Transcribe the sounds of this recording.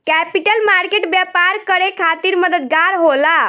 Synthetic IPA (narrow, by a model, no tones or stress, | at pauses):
kɛpiʈəlmaɾkeʈbjapaɾkəɾekʰat̪iɾməd̪əd̪ɡaɾɦola